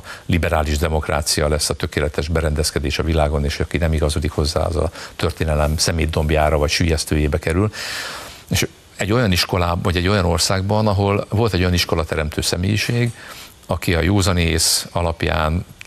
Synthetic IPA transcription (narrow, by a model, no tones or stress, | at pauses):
libɛɾaːliʒd̪ɛmo̞kra̰ːt̪sijɒlɛsːɒt̪ø̞keːlɛt̪ɛʒbɛɾɛnd̪ɛskɛd̪eːʃɒvilaːɡo̞neːʃhoɒkinɛmiɡɒzod̪ikho̞zːa̰ːɒ̰zɒ̰t̪ø̞rt̪eːnɛlɛmsɛmeːd̪ːo̞mbjaːɾɒvɒcʃyːjɛst̪øːjeːbɛkɛɾyl | eʃ | ɛɟːo̞jɒniʃko̞laːvɒɟɛɟːo̞jɒno̞rsaːɡbɒnɒɦo̞lvo̞lt̪ɛɟojɒniʃko̞lɒt̪ɛɾɛmt̪ʰøːsɛmeːjiʃeːɡ | ɒkiɒjoːzɒneːsɒlɒpja̰ːn